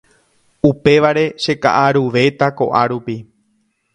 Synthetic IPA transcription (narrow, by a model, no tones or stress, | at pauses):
upe̞ʋaɾe̞ʃe̞ka̰ʔaɾuʋe̞t̪ako̞̰ʔaɾupi